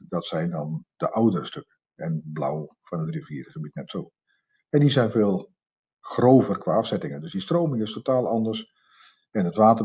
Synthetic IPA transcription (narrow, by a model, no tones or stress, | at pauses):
dɑtsɛjndɑndəʔawdərəstøkə | ɛnbla̰wfɑnətriviːərχəbitnɛtsoː | ɛndizɛjnveːlˠ | χrowvərkʋaːɑfsɛtɪŋəndɵsdistroːmɪŋɪstotaːlˠɑndərs | ɛnətʋaːtə